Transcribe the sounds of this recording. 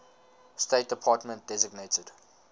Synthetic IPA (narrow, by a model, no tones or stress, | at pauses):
stet̚d̥əpʰɑːˑtmə̃nt̚d̥ɛzɪɡneɪtəd̥